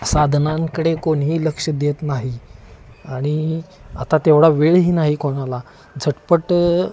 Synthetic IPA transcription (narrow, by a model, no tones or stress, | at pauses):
sad̪ʱnãŋkəɽekoɽɦiːləkʂəd̪et̪naɦi | aɽ̃ia̰t̪at̪eʋɽaʋeɭɦiːnaɦikʰoɽ̃ala | d͡zʱəʈpəʈ